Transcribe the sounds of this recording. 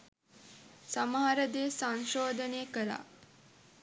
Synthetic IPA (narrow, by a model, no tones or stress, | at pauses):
samaɦaɾəd̪eːsaŋʃoːd̪əneəkəla̰